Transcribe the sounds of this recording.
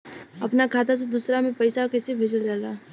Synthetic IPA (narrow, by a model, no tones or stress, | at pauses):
əpnakʰaːt̪ʰas̬ed̪uːsɾamẽpəɪsakesebʱeːd͡ʒəld͡ʒaːlaː